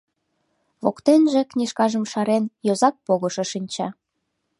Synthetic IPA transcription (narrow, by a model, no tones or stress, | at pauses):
βo̰kt̪enʒĕknʲiʃkɑʒə̆mʃɑɾenjozɑk̚poɣɤ̆ʃɤ̆ʃinʲt͡ɕɑ